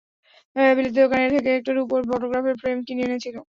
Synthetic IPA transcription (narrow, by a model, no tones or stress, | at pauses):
bilid̪ʱiokaneɾt̪ʰek̬eek̚ʈaɾupoɾfɔʈoɡɾafeɾfɾemkinienet͡ɕʰilo